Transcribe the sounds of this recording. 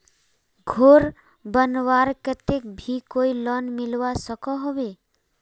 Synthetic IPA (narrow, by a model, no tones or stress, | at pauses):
ɡʱoɾ | bənwaɾkət̪ek̚bʱikoilɔnmɪlʋasəkɔɦɔbe